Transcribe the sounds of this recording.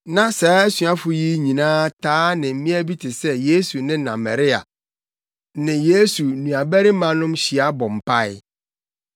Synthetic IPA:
nã˦saː˨˦sɥa˦fʊ˨ji˦ɲĩ˨nãː˦tʰaː˦nɪ̃˨m̩˦mĩ˦æ˦bi˦tʰɪ˨sɛ˦je˦su˨nɪ̃˦nã˨mɛ˨ɾɪ˦a̰˨ | nɪ̃˨je˦su˨nũ˨a˨bæ˦ɾɪ˦mã˦nʊ̃˦mɕi˨a˦bɔ̃˨m̩˨pʰa˦ɪ˦

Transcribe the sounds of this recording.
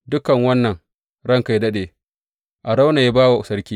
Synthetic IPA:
dʊ˦kɐ˨ŋwɐ˦nːɐ˨ŋ | ɽɐ˦ŋka˨jdɐ˦ɗeː˨ | ʔa˨ɽa˦wna˨ja˦baː˦wa˨ʔʊ˨sɐ˦ɾkʲiː˦

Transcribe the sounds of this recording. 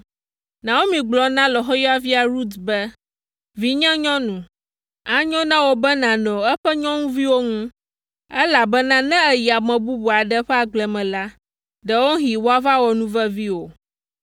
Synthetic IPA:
nã˨wo˦mĩ˨ɡ͡blɔ˨nã˦lɔ˨ɦɔ˦jɔ˦a˨vi˦a˨ɾu˦t̪bɛ˦ | vi˦ɲɛ̃˦ɲɔ̃˦nũ˨ | a˨ɲɔ̃˦nã˦wo˦bɛ˦nã˨nɔ̃˨ɛ˦ɸɛ˦ɲɔ̃˦ŋũ˦vi˦wo˦ŋũ˦ | ɛ˦la˨bɛ˦nã˦nɛ̃˦ɛ˨ji˨a˨mɛ̃˨bu˦bu˨a˨ɖɛ˦ɸɛ˦a˨ɡ͡blɛ˨mɛ̃˨la˦ | ɖɛ˨wo˦ɦi˨wo˦a˦va˦wɔ˨nũ˦vɛ˦vi˦wo˨

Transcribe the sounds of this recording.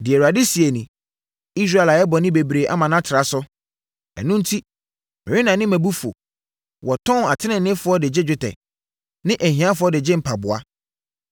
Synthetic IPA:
dɪ˨ɛ˨ɾu˨a˨dɪ˦si˨e˨nĩ˨ | i˦s̬ɾa˦˨e˨la˨jɛ˦bɔ˨nɪ̃˦be˨bɾe˨ʔa̰˦mã˨nã˦tʰɪ˨ɾa˨sʊ˦ | ɛ̰˨nũ˦n̩˦tʰi˦ | mɪ̃˨ɾi˦nã˨nɪ̃˦mæ̃˨bu˦fo̰˨ | wɔ˨tʰɔ̃˦na˨tʰɪ˦nɪ̃˨n˦nɪ̃˦fʊ˨˦ɔ˦dɪ˨d͡ʑɪ˦d͡ʑᶣɪ˦tʰɛ̰˨ | nɪ̃˦ʔɛ˨ɦĩ˦ã˦fʊ˦ɔ˦dɪ˨d͡ʑɪ˦m̩˨pʰa˨bʊ˨a˦

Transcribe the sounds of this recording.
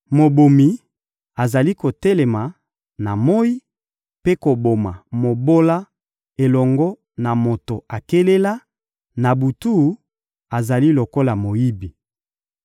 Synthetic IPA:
mo˨bo˨mi˨ | a˨za˨li˦ko˨tɛ˦le˨ma˨ | na˨mo˦i˦ | pe˦ko˨bo˨ma˨mo˨bo˦la˦ | e˨lɔ˨ŋɡɔ˦ | na˨mo˨to˨a˨ke˦le˦la˦ | na˨bu˨tu˦˨˦ | a˨za˨li˦lo˨ko˦la˨mo˨ji˦bi˨

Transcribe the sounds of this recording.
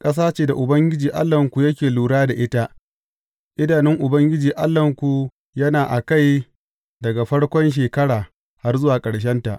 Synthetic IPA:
kʼɐ˦s̬aː˦t͡ʃeː˨da˨ʔʊ˨bɐ˦ŋɡʲɪ˦d͡ʒiː˨ʔa˦lːɐ˨ŋkʷu˨jɐ˦kʲeː˨luː˨ɽaː˦da˨ʔɪ˦ta˦ | ʔɪ˦daː˨nɪ˦ŋʔʊ˨bɐ˦ŋɡʲɪ˦d͡ʒiː˨ʔa˦lːɐ˨ŋkʷu˨ | jɐ˦naː˨ʔa˨ka˦˨j | dɐ˨ɡa˨ɸɐ˦ɽkʷɔ˦nʃ̬eː˨kɐ˦ɽaː˨ | ha˦rzʊ˦waː˨kʼɐ˨ɽʃ̬ɐ˦nta˨ʔ

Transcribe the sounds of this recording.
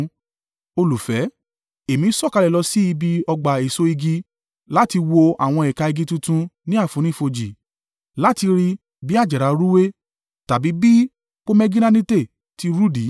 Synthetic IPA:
o˧lu˨fɛ˨˦ | e˨mĩ˨˦sɔ˦˨ka˧lɛ˨lɔ˧si˦i˧bi˧ɔ˧ɡ͡ba˨e˨so˧˦i˧ɡi˧˦ | la˦ti˧wo˧a̰˨w̃ɔ̃˧ɛ˨ka˧i˧ɡi˧˦tũ˧tũ˧nĩ˦a˦˨fũ˨˦ñĩ˦˨fo˧d͡ʒi˨ | la˦ti˧ɾi˧ | bi˦a˦˨d͡ʒɛ˨ɾa˨˧ɾu˦we˦ | ta˨bi˨˦bi˦ | k͡po˦mɛ˦ɡĩ˦nã˦nĩ˦te˦˨ | ti˨˧ɾu˦di˨˦

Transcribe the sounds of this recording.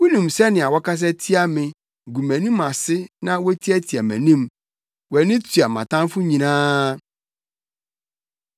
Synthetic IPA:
wu˦nũ˨msɛ˦nɪ̃˨a˨wɔ˦kʰa˦s̬ɛ˦tʰi˦a˦mɪ̃˨ | ɡu˨mæ̃˨nĩ˦ma˨sɪ˦nã˦wɔ˦tʰi˦ɛ˦tʰi˨a˨mæ̰̃˨nĩ˦m | wɛ˨nɪ̃˦tʰu˨a˨mã˨tʰã˦mfʊ˦ɲĩ˨nãː˦

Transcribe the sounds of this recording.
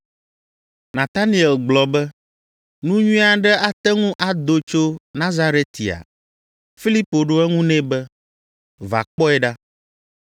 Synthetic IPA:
nã˨t̪a˦nĩ˨ɛ˨lɡ͡blɔ˨bɛ˦ | nũ˦ɲũ˦a˨ɖɛ˦a˦t̪ɛ˦ŋũ˦ʔa˨d̪o˦t͡ʃo˦nã˦za˦ɾe˦t̪i˨a̰˨ | fi˦li˦po˨ɖo˦ɛ˦ŋũ˦nɛ̃˦bɛ˦ | va̰˨k͡pɔ˦ɛ˦ɖa˦

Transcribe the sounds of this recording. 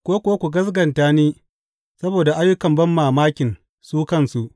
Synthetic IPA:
kʷoː˦kʷoː˦kʷu˨ɡɐ˦s̬ɡɐ˨ntaː˦niː˦ | sɐ˦boː˨da˨ʔa˦jːʊ˦kɐ˨mbɐ˦mːaː˨maː˦kʲɪ˨n | suː˦kɐ˦˨nsu˨ʔ

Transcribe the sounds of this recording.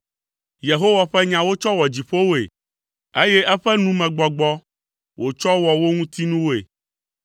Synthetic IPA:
je˨ɦo˦wa˨ɸɛ˦ɲã˨wo˦t͡ʃɔ˦wɔ˨d͡ʑi˨ɸo˦wo˦ḛ˨ | e˦jɛ˦ʔɛ˦ɸɛ˦nũ˦mɛ̃˨ɡ͡bɔ˨ɡ͡bɔ˦ | wʔo˨t͡ʃɔ˦wɔ˨wo˦ŋũ˦t̪i˦nũ˦wo˦ḛ˨

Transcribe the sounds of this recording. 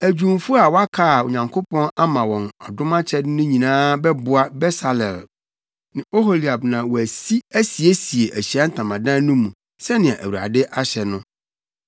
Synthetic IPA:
æ˨d͡ʑᶣũ˨mfʊ˦a˨wɔ˦a˦kʰa˦˨ʊ˨ɲã˨ŋkʰo˦pʰɔ̃˦na˦mã˨wɔ̃˨nɔ˨dʊ̃˦mã˦t͡ɕʰɛ˦dɪ˦nʊ̃˦ɲĩ˨nãː˦bɛ˦bʊ˨a˦bɛ˦sa˨lɛ˨l | nɪ̃˨o˦ɦo˨li˨a˨bnã˨wɔ˨æ˨si˦æ˦si˨e˦si˨e˨ʔæ˨ɕi˨a˦n̩˦tʰã˨mã˨dã˦nʊ̃˦mũ˨ | sɛ˦nɪ̃˨ã˨ʔæ̰˨wu˨ɾa̰˨dɪ˦ʔa˦ɕɛ˨nʊ̃˦

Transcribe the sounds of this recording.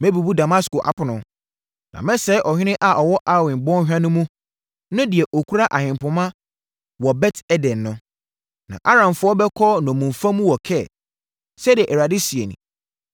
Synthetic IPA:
mɛ̃˦bu˨bu˦da˨ma˦sko˨ʔa̰˨pʰʊ˨nʊ̃˨ | nã̰˨mɛ̃˦sɛ˦ʔɔ˨hᶣɪ˦nɪ̃˦ʔa˨ʔɔ˨wɔ˦ʔa˦wɪ̃˨nbɔ̃˦n˦hᶣã˦nʊ̃˦mũ˦ | nʊ̃˦dɪ˨ɛ˨ʔo˨kʰu˦ɾa˦ʔa˨hɪ̃˨m˨pʊ̃˨mã˦ | wɔ˨bɛ˦tɛ˦dɛ̃˨nːʊ̃˦ | nã̰˨ʔa˦ɾã˨mfʊ˦ɔ˦bɛ˦kʰɔ˦nɔ̃˨mũ˨ɱ˨fã˦mũ˦wɔ˨kʰɛ˦˨ | sɛ˦di˨ɛ˨ʔɛ˨ɾa˨dɪ˦si˨e˨nḭ̃˨

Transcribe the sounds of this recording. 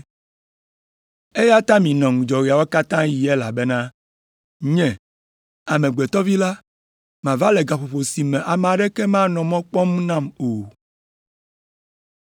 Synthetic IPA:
e˦ja˦t̪a˦mĩ˨nɔ̃˨ŋ˨d͡ʒɔ˨ɾi˨a˨wo˦ka˦t̪ã˦ji˨e˦la̰˨bɛ˦nã˦ | ɲɛ̃˨ | a˨mɛ̃˨ɡ͡be˨t̪ɔ˦vi˦la˦ | mã˨va˦lɛ˨ɡa˨ɸo˨ɸo˨si˨mɛ̃˨ʔa˨m̃˨a˨ɖɛ˦ke˦mã˦nɔ̃˨mɔ̃˦k͡pɔ˦mnã˦˨mo˨

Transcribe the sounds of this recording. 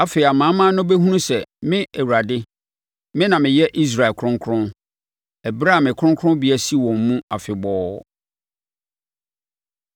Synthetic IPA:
a˦fe˨a˨mãː˨˦mã˦nʊ̃˦bæ˦ɦũ˦nũ˦sɛ˨mɪ̃˦ɛ˨wa˨dɪ˦ | mɪ̃˦nã˨mɪ̃˨jɛ˦ʔi˦s̬ɾa˨ɪ˨kʰɾʊ̃˦ŋkʰɾʊ̃˦ | ɛ˨bɾa˦a˨mɪ̃˨kʰɾʊ̃˦ŋkʰɾʊ̃˦bi˨˦æ˨si˦˨wɔ̃˨mːũ˦a˨fɪ˨bɔː˦

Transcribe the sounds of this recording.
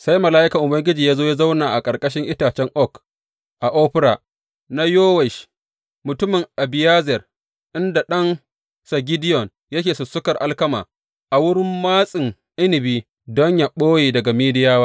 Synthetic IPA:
sa˦jmɐ˨laː˦ʔɪ˦kɐ˨ʔʊ˨bɐ˦ŋɡʲɪ˦d͡ʒiː˨jaː˦zoː˦jaː˦za˦wnaː˨ʔa˨kʼɐ˨kʼɐ˦ʃ̬ɪ˦ŋʔɪ˦taː˨t͡ʃɛ˦ŋʔɔ˦˨k | ʔa˨ʔoː˦ɸɪ˦ɾa̰˨ | na˦joː˦wɛ˨ʃ | mʊ˨tʊ˦mɪ˨ŋʔa˨bɪ˨jaː˦zɛ˨r | ʔɪ˦nda˨ɗɐ˦n | sɐ˨ɡʲɪ˦dɪ˦jɔ˨n | jɐ˦kʲeː˨sʊ˨sʊ˦kɐ˨rʔa˦lkɐ˦ma̰ː˨ | ʔa˨wʊ˦ɽɪ˦mːaː˦sʼɪ˨ŋ | ʔɪ˦nɪ˨biː˦ | dɔ˦ɲja˨ɓoː˦jeː˨dɐ˨ɡa˨miː˦dɪ˦jaː˦waː˦

